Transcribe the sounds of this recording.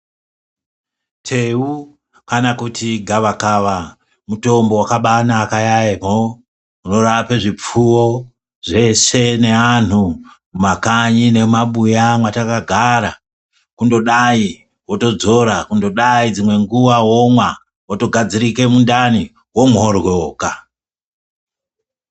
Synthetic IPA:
tʰeu | kanakutiɡʱaʋakaʋa | muto̞mbo̞wakaɓanaːkajaemo | uno̞ɾapeʐip͡fuwo | ʐe̞se̞ne̞an̤u | umakaɲine̞maɓujamwatakaɡʱaɾa | kundo̞ɗai | woto̞d͡zo̞ɾakundo̞ɗaid͡zimwe̞ŋɡuʋawomwa | woto̞ɡʱad͡ziɾike̞mundani | wo̞morwoːka

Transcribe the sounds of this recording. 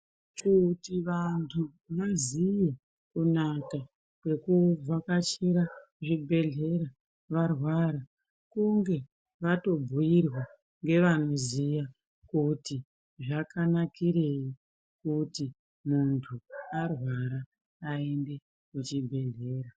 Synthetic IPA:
t͡ʃutiʋantʰu | ʋazije | kunaka | kwe̞kuvʱakat͡ʃiɾa | ʐibʱe̞ɮe̞ɾa | ʋarwaɾa | kuŋɡe̞ | ʋato̞bʱujirwa | ŋɡe̞ʋan̤ozija | kuti | ʐakanakiɾe̞i | kuti | muntʰuarwaɾaː | ende̞ | kut͡ʃibʱe̞ɮe̞ːɾa

